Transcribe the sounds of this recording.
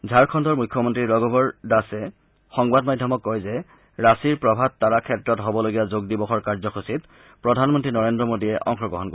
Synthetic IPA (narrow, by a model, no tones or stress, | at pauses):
zʱaɹkʰɔndɔɹmujkʰjɔmɔntɹiɹɔɡɔbɔɹdasɛ | xɔŋbadmadʱjɔmɔkːɔjzɛ | ɹasiɹpɹɔbʱad̚tːaɹakʰɛtɹɔtɦobɔloɡijazoɡ̚dibɔxɔɹkaɹzɔkʰosit | pɹɔdʱanmɔntɹinɔɹendɹɔmodijɛʔɔ̰ŋxɔɡɹɔ̰ɦɔnko